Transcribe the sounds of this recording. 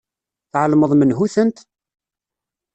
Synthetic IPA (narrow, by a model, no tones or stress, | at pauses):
θʕəlməðˤmənɦuθənt̪